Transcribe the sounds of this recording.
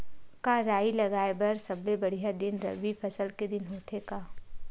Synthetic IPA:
kaɾaːilɐɡaːebɐɾsɐblebɐɽ̤ijad̪ɪnɾɐ̰ʋifʰɐsəlked̪ɪnɦoːt̪ekaː

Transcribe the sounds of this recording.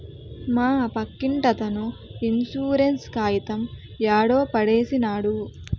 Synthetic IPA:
maːɐpɐkːiɳʈɐt̪ɐnuinsuːɾenskaːjit̪ɐm | jaːɽoːpɐɽeːsinaːɽu

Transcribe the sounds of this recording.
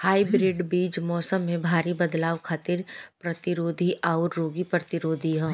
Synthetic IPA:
haːibɾɪɖbiːd͡ʒmɔːsəmːẽbʱaːɾibɐd̪laːʋkʰaːt̪ɪɾpɾɐt̪ɪɾoːd̪ʱiʔaːʊɾːoːɡipɾɐt̪ɪɾoːd̪ʱiɦɛ̃

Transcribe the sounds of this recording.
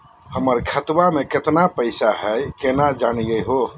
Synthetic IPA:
həməɾkʰət̪bameket̪napəɪsaɦəjkenad͡ʒanijəɦo

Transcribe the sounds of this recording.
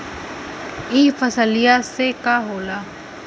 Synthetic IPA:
iːfəsəlijasekaːɦoːlaː

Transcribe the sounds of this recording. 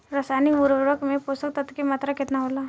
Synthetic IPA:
ɾəsaniʋuɾʋʋəkmeposək̚t̪ət̪kemat̪ɾaket̪naɦola

